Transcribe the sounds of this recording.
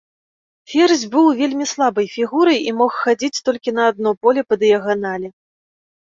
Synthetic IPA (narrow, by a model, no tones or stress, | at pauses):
fʲɛrzʲbɨwvʲelʲmʲislˠabɐjfʲiɣuɾɐjimɔxxad͡zʲit͡sʲt̪ɔlʲkʲinɐːd̪nɔpɔlʲɛpɐd̪jaɣɔnalʲɛ